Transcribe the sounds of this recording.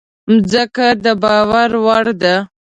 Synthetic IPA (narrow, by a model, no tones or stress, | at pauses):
mzəkad̪əbɑwaɾwaɽd̪a